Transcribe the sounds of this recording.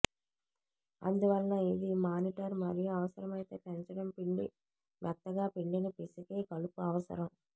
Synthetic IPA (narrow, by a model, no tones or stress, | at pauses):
ɐ̰nd̪uʋɐlːɐid̪imaːniʈɐɾmɐɾijuɐʋɐsɐɾɐmɐjt̪e̞ːpɛɲt͡ʃɐɽɐmpiɳɖḭ | ʋɛt̪ːɐɡaːpiɳɖinɐpisukeːkɐɭupuɐʋɐsɐ̰ɾɐm